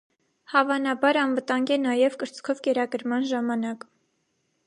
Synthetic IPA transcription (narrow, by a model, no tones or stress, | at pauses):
hɑvɑnɑbɑɾɑnvət̪ɑŋɡɛnɑjɛvkəɾt͡skʰɔvkɛɾɑɡəɾmɑnʒɑmɑnɑk